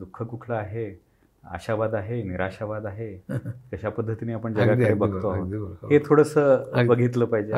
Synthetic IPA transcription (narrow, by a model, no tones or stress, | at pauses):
d̪ukʰːəkukʰləaɦe | a̰ɕaʋad̪aɦeniɾaɕaʋad̪aɦekəɕapəd̪ʱːət̪iniapəɳd͡zəɡaəɾebəɡ̪ʱoaəɦet̪ʰoɽəsəːbəɡʱit̪ləːpaɦid͡ʑe